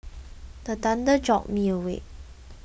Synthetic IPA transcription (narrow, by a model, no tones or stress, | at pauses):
d̪ət̪and̪əd͡ʒɔ̰ʔ̚miəwḛ